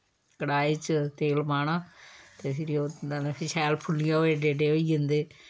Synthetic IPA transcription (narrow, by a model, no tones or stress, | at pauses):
kəɽaːiːt͡ʃt̪eːlmaːɳãːt̪eːsɾioːnepɪʃʰɛːlpʰʊlːijãːoeːɖeːɖeːoiːd͡ʒɪnd̪eː